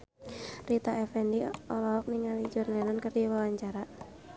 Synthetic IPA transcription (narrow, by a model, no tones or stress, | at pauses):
rit̪aʔɛfɛndiɔlɔɔk̚niŋalid͡ʒɔrlɛnɔnkərdiwawaɲt͡ʃaɾa